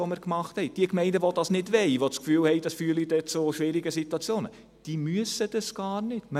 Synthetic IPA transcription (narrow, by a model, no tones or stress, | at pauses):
oməɾkmɑχthɛɪd̥iəkmɛɪndəʋod̥ɑsnɪdʋɛɪʋot͡skfyːlhɛɪd̥ɑsfyːlid̥ɛt͡soʃʋɪɾiɡəsitwɑt͡sjoːnə | d̥iːmyəsəd̥ɑsɡ̥ɑːrnɪtmə